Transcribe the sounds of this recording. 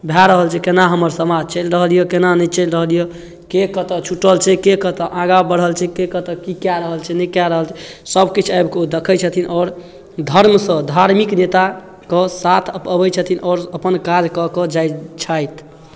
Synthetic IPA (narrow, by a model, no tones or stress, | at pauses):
bʱaɾəɦəlt͡ʃʰɛkenaɦəməɾsəmad͡ʒt͡ʃəjlɾəɦlijekenanɛt͡ʃəɪlɾəɦlije | kekət̪ət͡ʃʰuʈəlt͡ʃʰɛkekət̪əʔãɡabəɽ̤əlt͡ʃʰɛkekət̪əkikjaɾəɦəlt͡ʃʰɛnɛkjaɾəɦəlt͡ʃʰɛsəbkit͡ʃʰajbʱked̪ekʰət͡ʃʰət̪ʰinʔɔːɾ | d̪ʱəɾmsə̃d̪ʱaɾmiknet̪a | kesat̪ʰəpəbəjt͡ʃʰət̪ʰinʔɔːɾəpənkad͡ʒkəkəd͡ʒajt͡ʃʰajt̪